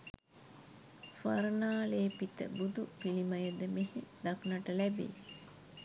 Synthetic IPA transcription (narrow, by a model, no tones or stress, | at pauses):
sʋɐɾənaːleːpit̪ə̰bud̪upilimɐjəd̪əmehed̪ɐknɐʈəlæbḛː